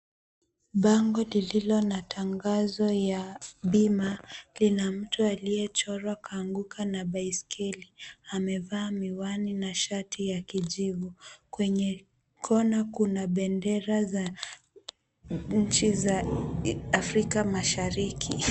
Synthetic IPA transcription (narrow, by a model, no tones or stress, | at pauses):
ɓaŋɡɔlililɔnatʰaŋɡazɔjaɓimalinam̩tʰualijɛt͡ʃɔɾwakaːŋɡukʰanabaiskʰɛliamɛvaːmiwaninaʃatijakiʄivukwɛɲɛ | kʰɔnakunaɓɛndɛɾaza | ɲ̩t͡ʃizaː | fɾikamaʃaɾikʰi